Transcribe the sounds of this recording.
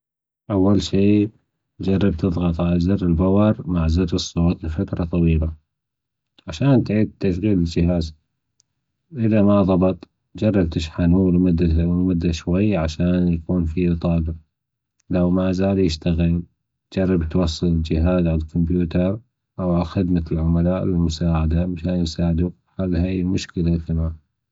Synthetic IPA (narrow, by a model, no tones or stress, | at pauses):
ʔawːalʃiː | d͡ʒɑrˤːɑb̚t̪ɨðˤɣɑt̪ˤʕalazɪɾɪlbawɑɾˤmaʕzɪɾɾɨsˤːoːt̪lfat̪ɾˤɑt̪ˤɑwiːla | ʕaʃaːnt̪ʕiːd̪̚t̪ːaʃɣiːlɪld͡ʒɪɦaːz | ʔɪðamaðˤɑbɑt̪ˤ | d͡ʒɑrˤːɑb̚t̪ɪʃħanuːlmʊd̪ːawmʊd̪ːaʃwajːʕaʃaːnjakuːnfiʔt̪ˤɑːɡɪɾ | lawmazaːljɪʃt̪aɣɪl | t̪d͡ʒɑrˤːɑbt̪wɑsˤːɨlɪld͡ʒɪɦaːzʕallkʊmpjuːt̪ɑɾˤ | ʔawʕalxɪd̪malʕʊmalaːʔlɪlmʊsaːʕad̪amɪʃaːnsaːʕɪd̪u | ħalːhajmʊʃkɪlaθamaː